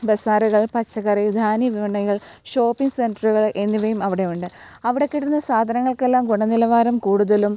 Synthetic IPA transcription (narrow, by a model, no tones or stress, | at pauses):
besaːɾuɣɐɭpɐt͡ɕːɐɣɐrid̪ʱaːniʋiʋɐɳɐɣɐɭɕo̞ːpːiŋɡsenɖɐruɣɐɭʔe̞nːiʋɐjumɐʋiɽe̞juɳɖɨɐʋiɽekːiɽunːɐsaːd̪ʱɐnɐŋːɐɭkelːaːmɡuɳɐnilɐʋaːɾɐmkuːɽuðɐlum